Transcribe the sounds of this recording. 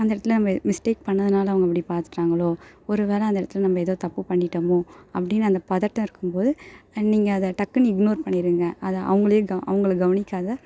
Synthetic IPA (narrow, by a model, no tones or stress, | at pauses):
ɐnd̪ɪɽɐt̪ːɪlɐnɐmːɐmɪsʈeːk̚pɐɳːɐðɯnaːlɐʋɐŋɡɐɛp̬ːɐɽipaːɾt̪ɯ̥ʈːaːŋɡɐɭoːɔɾɯʋeːlɛɐnd̪ɛɽɐt̪ːɪlɐnɐmːbɐɛðoːt̪ɐpːɯpɐɳːɪʈːɐmõɐpːɐɽɪnːɯɐnd̪ɐpɐðɐʈːɐ̃ɪɾɯkːɯmpoːðɯniːŋɡɐɐðɐʈɐkːɐnɪɡnoːɾpɐɳːɪɾɯŋɡɐɐðɐʔɐ̰ʋɐŋɡɐɭjẽɡɐʔɐ̰ʋɐŋɡɐɭɡɐʋɐnɪkːaːðɐ